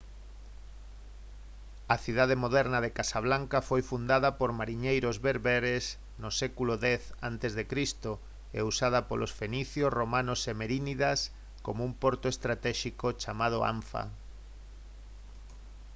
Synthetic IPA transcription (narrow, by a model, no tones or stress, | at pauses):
ɐθiðað̞emoðɛɾnaðekasaβlaŋkafojfund̪aðɐpoɾmaɾiɲejɾozβeɾβɛɾes | nosɛkuloðɛθant̪ezðekɾist̪o | ḛusað̞ɐpolʔosfeniθjosromãnosemeɾiniðas | komoumpoɾt̪oest̪ɾat̪ɛʃikot͡ʃamað̞ʊa̰ɱfa̰